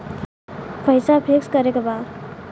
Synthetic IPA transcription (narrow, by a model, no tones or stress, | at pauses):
pʌjsapʰeksɡʌɾekoba